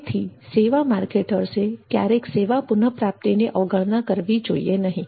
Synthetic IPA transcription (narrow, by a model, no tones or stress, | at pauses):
t̪ʰiseːʋamaːɾkeːʈəɾsekja̰ːɾeːkseːʋapʊnəpɾaːp̚t̪ineʔɔːɡəɭnakəɾʋid͡ʒoːḭenɐɦĩ